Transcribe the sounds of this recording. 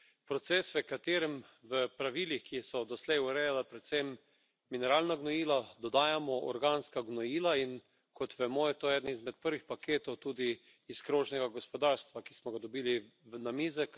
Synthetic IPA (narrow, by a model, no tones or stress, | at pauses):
pɾɔt̪sɛːsʋəkat̪eːɾɛmʋəpɾaʋilixkisɔd̪ɔslɛjuɾɛjalapɾɛt̪sɛmː | inɛɾaːlnaɡnɔjiːlad̪ɔd̪aːjamɔʔɔ̰ɾɡaːnskaɡnɔjiːlain | kʰɔt̪ʋɛmoːjɛt̪oːɛːd̪nizmɛt̪̚pəɾʋixpakeːt̪ɔwt̪uːd̪iː | skɾoːʒnɛɡaɡɔspɔd̪aɾst̪ʋakismɔɡad̪ɔbiːliʋənamizək